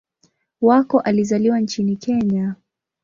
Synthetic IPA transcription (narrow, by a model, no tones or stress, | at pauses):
wakɔʔalizaliwant͡ʃinikʰɛɲa